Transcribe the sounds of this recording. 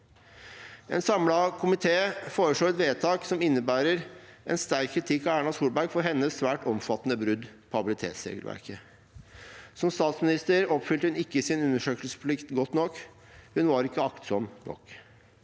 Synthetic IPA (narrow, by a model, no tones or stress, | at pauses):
ʔɛ̰nsɑmlɑkʰʊmɪt̪ʰeːfoːɾəʂɭoːɛt̪ʋeːt̪ʰɑːksɔmɪnːəbæːɾəɾʔɛ̰nst̪æɾkʰːɾɪt̪ʰɪkːɑæːɳɑsuːɾbæɾɡfɔɾɦɛnːəsʋæːʈɔmfɑt̪ːnəbɾʉd̪pʰɔɑbəɾɪt̪ʰḛːt̪sɾḛːɡəlʋæ̰ɾkə | sɔmst̪ɑːt̪smɪnɪst̪əɾɔpfʏlt̪əhʉnɪkːəsɪnʉnːəʂøːkəlsə̥pʰlɪkt̪ɡɔt̪nɔk | hʉnʋɑɾɪkːəɑkt̪sɔmnʔɔ̰k